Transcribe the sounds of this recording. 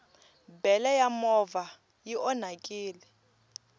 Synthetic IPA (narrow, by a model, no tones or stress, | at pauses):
bɛlɛjamɔva | jiʔɔnakʼiːlɛ